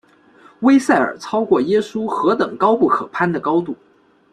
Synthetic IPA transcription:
we˥ɪsa˥˩ɪə̰˞˨˩t͡sʰɑ˥ʊkwɔ˥˩jɛ˥su˥xɤ˧˥t̪ɤ˨˩˦ŋkɑ˥ʊpu˥˩kʰɤ̰˨˩pʰa˥nd̪ə˨kɑ˥ʊt̪u˥˩

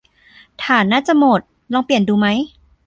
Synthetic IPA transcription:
t̪ʰaː˨˩naː˥˩t͡ɕa˨˩ʔmo˨˩t̪̚ | lɔː˧ŋpli˨˩ənduː˧ma˦˥j

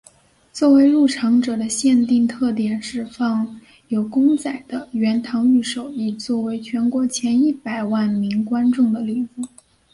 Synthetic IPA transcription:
t͡swɔ˥˩we˧˥ɪɻu˥˩ʈ͡ʂʰɑ˧˥ŋʈ͡ʂɤ˨˩d̪ə˦ɕjɛ˥˧nt̪i˥˧ŋt̪ʰɤ˥˩t̪jɛ˨˩nʈ͡ʂɻ̩˧˩fɑ˥˩ŋ | jo˨˩ʊkʊ˥ŋt͡sa˨˩ɪd̪̥ə˦ɥɛ˧˥nt̪ʰɑ˧˥ŋy˥˩ʂo˨˩ʊi˥˩t͡swɔ˥˩we˧˥ɪt͡ɕʰɥɛ˧˥nkwɔ˧˥t͡ɕʰjɛ˧˥ni˥˩pa˨˩ɪwa˥˩nmi˧˥ŋkwa˥nʈ͡ʂʊ˥˩ŋd̪ə˩li˨˩fu˥˩˦

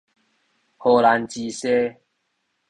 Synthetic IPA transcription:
ho˧˩la˨˦nt͡ɕi˧se˦

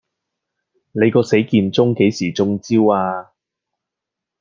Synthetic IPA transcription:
ne˨˧jkɔː˧se˨˥jkiː˧nt͡sʊ˥ŋke˨˥jsiː˨˩t͡sʊ˧˥ŋt͡siː˥waː˧

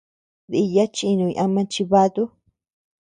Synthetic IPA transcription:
ði˧ja˦t͡ʃi˦˧nũ˧i˧ʔã˧mã˧t͡ʃi˧βa˧t̪u˦

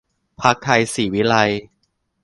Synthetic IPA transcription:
pʰa˦˥k̚ʰːa˧jsiː˨˩˦wi˦˥la˧j

